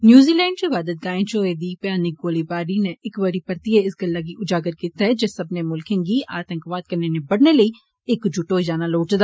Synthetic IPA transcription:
njuːziːlɛ̃ːɳɖ̚t͡ʃebaːd̪ət̪̚ɡaːẽt͡ʃoːed̪iːɡ̚pjaːnik̚ɡoːlibaːɾineʔɪkʋəɾipɐɾt̪ieɪsɡɐlːaɡ̬iʔʊd͡ʒaːɡəɾkɪt̪ɛd͡ʒesɐbnemʊlkẽnɡiʔa̰ːt̪ə̃ŋkʋaːt̪̚kɐɾnenẽbɐɽnelɐi | ekd͡ʒuʈoːd͡ʒaːnaloːʈd̪aː

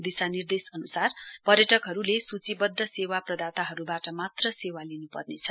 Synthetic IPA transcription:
d̪isanird̪esʌnusarpʌrjʌʈʌkɦʌɾulesut͡sibʌd̪ʱːʌsewaprʌd̪at̪aɦʌɾubaʈʌmat̪rʌsewalinupʌrnet͡sʰʌ

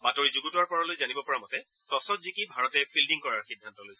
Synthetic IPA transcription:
batoɹizuɡutʊwaɹpɔɹalojzanibɔpɔɹamɔtɛ | tɔsɔtzikibʱaɹɔtɛpʰildiŋkɔɹaɹxidʱːantɔlojsɛ

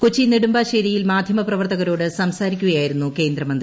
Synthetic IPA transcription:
kut͡ɕːiniɽumbaːɕɐɾijilmaːd̪ʱjɐmɐprɐʋɐrt̪ɐɣɐɾo̞ːɽɨsɐmsaːɾikʲːuɣɐjaːjiɾunːuke̞ːnd̪ɾɐmɐnd̪ɾi

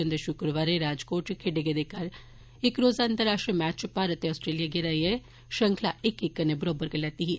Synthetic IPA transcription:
ənd̪eʃʊkɾəʋaːɾeɾaːd͡ʒkoːʈkʰeɖeɡed̪ekəɾ | ɪkɾoːzaːnt̪əɾaːʃʈɾimɛːt͡ʃpaːɾət̪eːɔːsʈɾeːlijaːɡaɾaiɛ | ʃəŋkʰlaːɪkɪkːəneːbəɾoːbəɾkəlɛːt̪iːɦi

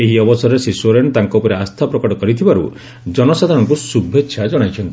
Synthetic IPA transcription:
eɦiɔbɔsɔɾesisoɾeɳt̪aŋkɔupɔɾeast̪ʰapɾɔkɔʈɔkɔɾit̪ʰibaɾṵ | d͡ʒɔnɔsad̪ʱaɾɔŋkusubʱetːʃʰad͡ʒɔɽ̃ajt͡ʃʰɔnt̪i

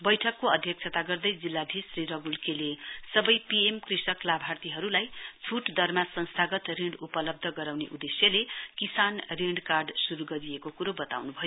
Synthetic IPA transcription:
bʌjʈʰʌkːoʌd̪ʱjʌk̚t͡sʰʌt̪aɡʌrd̪ʌjd͡zilːab̪ʱisriɾʌɡulkelesʌbʌjpiemkrisʌklabʱart̪iɦʌɾulajt͡sʰuʈd̪ʱʌrmasʌ̃nst̪ʰaɡʌt̪riɳɖupʌlʌb̚d̪ʱʌɡʌɾawneʔud̪esjʌlekisanriɳɖkarɖsuɾuɡʌɾiekokuɾobʌt̪a̰wnubʱʌjo

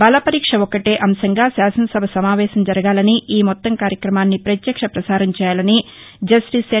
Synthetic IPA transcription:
bɐlɐpɐɾiːkʂɐɔkɐʈeːʔɐmʃɐŋɡaːsaːsɐnɐsɐbʱɐsɐmaːʋɛːʃɐmd͡ʒɐɾɐɡaːlɐniʔiːmɔt̪ːɐŋkaːɾjɐkɾɐmaːnːipɾɐt̪jɐkʂɐpɾɐsaːɾɐmt͡ʃɛːjaːlɐni | d͡ʒɐsʈise

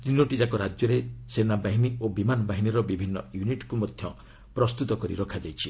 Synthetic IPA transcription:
t̪inoʈid͡ʒakɔɾad͡ʒjɔɾesenabaɦiniobimanɔbaɦiniɾɔbibʱinːɔ̰juniʈkumɔd̪ʱjɔ | pɾɔst̪ut̪ɔkɔɾiɾɔkʰad͡ʒajt͡ʃʰi

